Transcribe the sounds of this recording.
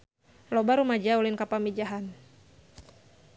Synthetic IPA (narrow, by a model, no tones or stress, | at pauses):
lɔbaɾumad͡ʒaulɪnkapamid͡ʒaɦan